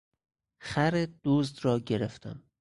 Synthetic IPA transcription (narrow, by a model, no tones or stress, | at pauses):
xæɾed̪̥uːzd̪ɾɒːɟeɾeft̪ʰæ̰m